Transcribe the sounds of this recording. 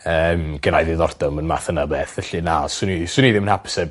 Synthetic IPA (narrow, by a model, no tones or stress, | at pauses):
əːmɡ̥əɾajðɪðɔrd̥ɔmənma̰θənəbɛθɛɬinasʊnisʊniðɪmənhapə̥sɛb